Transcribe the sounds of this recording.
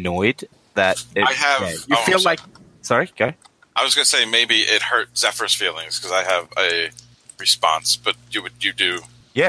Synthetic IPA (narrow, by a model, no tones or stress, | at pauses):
nɔɪd̪̚ | ðɨɾɪaɪɨjɨfillaɪk̚ | sɑɹiɡ̥oʊ | ʔaɪwʌzɡʌnəseɪmeɪbiʔɪt̚hɜ˞t̚sɛfə˞z̥filˠɪ̃ŋz̥kʰʌzaɪɨvɨ | ɹɨspɑ̰̃nsb̥ʌt͡ʃɨwɨdɨ | jæ